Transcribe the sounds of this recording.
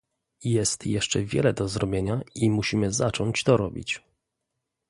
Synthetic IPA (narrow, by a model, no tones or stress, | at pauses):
jɛst̪jɛʂt͡ʂɛvʲjɛ̰lɛd̪ɔzɾɔbʲjeɲaimuɕimɘzat͡ʂɔɲt͡ɕt̪ɔɾɔbʲḭt͡ɕ